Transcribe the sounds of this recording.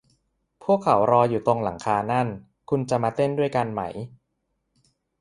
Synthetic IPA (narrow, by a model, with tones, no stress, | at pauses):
pʰu˥˩əkʰːa˩˦wɾɔː˧juː˨˩t̪o˧ŋla˩˦ŋkʰaː˧na˥˩n | kʰu˧nt͡ɕa˨˩maː˧t̪e˥˩ndu˥˩əjka˧nma̰˩˦j